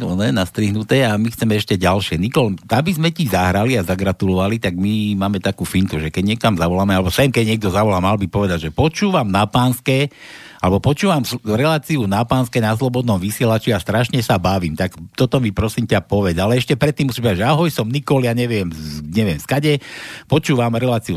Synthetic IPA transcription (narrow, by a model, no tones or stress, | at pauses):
nɔnɛnast̪ɾiɦnut̪ɛːamixt͡sɛmɛɛʃcɛɟalʃɪɛnikɔlabizmɛcizaɦɾaliazaɡɾat̪ulɔʋalit̪aɡmimaːmɛt̪akuːfiŋk̪uʒɛkɛɟɲɪɛkamzaʋɔlaːmɛalɛbɔsɛmkɛɟɲɪɛɡ̚d̪ɔzaʋɔlaːmalbipɔʋɛd̪aɟʒɛpɔt͡ʃuːʋamnapaːnskɛː | alɛbɔpɔt͡ʃuːʋamsɾɛlaːt͡siunapaːnskɛːnaslɔbɔd̪nɔmʋisɪɛlat͡ʃijast̪ɾaʃɲɛsabaʋiːmt̪akt̪ɔt̪ɔmipɾɔsiːmcapɔʋɛd͡zalɛɛʃcɛpɾɛt̪ːimusimpɛaʒɛaɦɔjsɔmnikɔljaɲɛʋɪɛmɲɛʋɪɛmskaɟɛpɔt͡ʃuːʋamɾɛlaːt͡siu